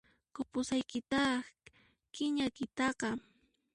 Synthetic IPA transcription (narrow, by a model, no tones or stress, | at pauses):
kʊpʊsajkɪt̪ɑ | kɪɲajkɪt̪ɑqɑ